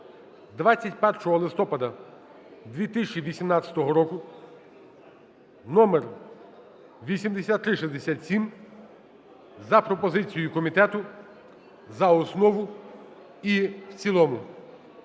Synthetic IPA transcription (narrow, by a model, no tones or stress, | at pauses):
d̪ʋat͡sʲːɐtʲpɛrʃɔɦɔlˠɪst̪ɔpɐd̪ɐ | d̪ʲʋʲit̪ɪsʲt͡ʃiʋʲisʲimnɑt͡sʲɐ̥t̪ɔɦɔɾɔkʊ | nɔmer | ʋʲisʲimd̪esʲat̪ːɾɪʃizd̪esʲat̪sʲim | zɐpɾɔpɔzɪt͡sʲijʊkɔmʲit̪ɛt̪ʊ | zɐɔsnɔʋʊ | iwt͡sʲilˠɔmʊ